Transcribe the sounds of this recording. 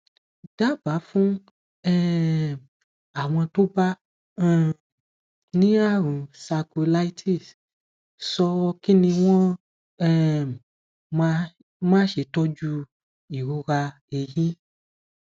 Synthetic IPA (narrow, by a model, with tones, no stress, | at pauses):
d̥a˦ba˨˦fũ˦ | ɛ˦ | a˨w̃ɔ̃˧to˦ba˦˨ | nĩ˦a˦˨ɾ̃ũ˨sa˧ku˧la˦i˦tʰi˦˨s | sɔ˧ki˦nĩ˧w̃ɔ̃˦ | ɛ˦ | a˦ | mãː˦ʃe˨tɔ˦d͡ʒu˦ | i˨ɾu˧ɣa˧ | e˨jĩ˦